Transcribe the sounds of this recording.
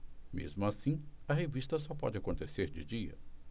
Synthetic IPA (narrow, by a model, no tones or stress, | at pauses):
mḛzmʊasĩɐɦevist̪ɐsɔpɔ̰d͡ʒɪakõnt̪eseɾd͡ʒɪd͡ʒiɐ̰